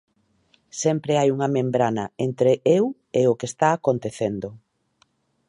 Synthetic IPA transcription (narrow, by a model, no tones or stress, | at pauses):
sɛmpɾeajuŋɐmẽmbɾanɐent̪ɾeʔew | eokest̪aːkont̪eθend̪o